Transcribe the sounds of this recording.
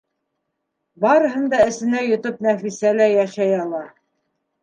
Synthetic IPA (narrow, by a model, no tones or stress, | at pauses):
bɑɾɤ̆ɦɤ̆nd̪ɑɘ̆sɘ̆næjŏt̪ɤp̚næfisælæjæʃæjɑlˠɑ